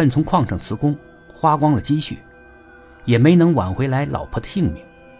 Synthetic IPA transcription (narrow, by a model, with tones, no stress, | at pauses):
nt͡sʰʊ˧˥ŋkʰwɑ˥˧ŋʂɑ˨˩ŋt͡sʰɹ̩˧˥kʊ˥ŋ | xwa˥kwɑ˥ŋlə˨t͡ɕi˥ɕy̰˥˩ | jɛ˨˩me˧˥ɪnɤ˧˥ŋwa̰˨˩nxwe˧˥ɪla˧˥ɪlʔɑ̰˨˩ʊpʰɤ˧˥d̪ə˧ɕi˥˧ŋmɛ̰˨˩˦ŋ